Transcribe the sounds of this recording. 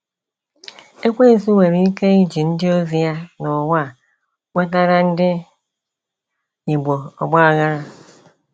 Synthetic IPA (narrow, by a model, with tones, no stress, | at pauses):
e˦kʷe˦˨si˦we˨ɾi˦i˦ke˦i˦d͡ʒi˨n̩˦dɪ˦o˦zi˨ja˦nɔ˨wa˦˨ | wʷe˦ta˦ɾa˦n̩˦dɪ˦ | ɲi˨ɡ͡bo˨ɔ̰˨ɡ͡bɔ˦a˨ɣa˦ɾa˦